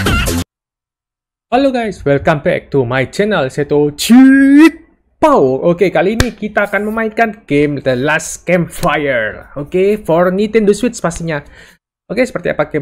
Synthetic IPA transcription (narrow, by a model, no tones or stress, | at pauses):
waloɡajswɛlkambɛ̰k̚t̪umajt͡ʃɛnəlset̪o̥d͡ʒ̥it̪̚ | pawʔokekaliːnikit̪aːkanməmaɪinkanɡ̥emd̪əlaskɛmfajərokefɔrnit̪ɛnd̪oswɪt̪spast̪iɲa | okesə̥pərt̪ia̰paɡɛ